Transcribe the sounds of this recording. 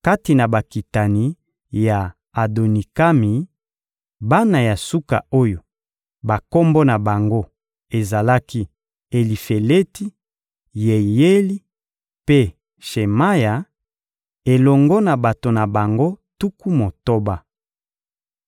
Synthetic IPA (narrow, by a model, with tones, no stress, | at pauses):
ka˦ti˨na˨ba˨ki˨ta˨ni˨ | ja˨ | a˨do˨ni˨ka˦mi˨ | ba˦na˨ja˨su˦ka̰˨o˦jo˨ | ba˨ko˦mbɔ˦na˨ba˨ŋɡo˦ | e˨za˨la˦ki˦ | e˨li˨fe˨le˦ti˦ | je˨je˦li˦ | pe˦ | ʃe˨ma˦ja˨ | e˨lɔ˨ŋɡɔ˦na˨ba˨to˨na˨ba˨ŋɡo˦tu˦ku˦mo˨to˦ba˦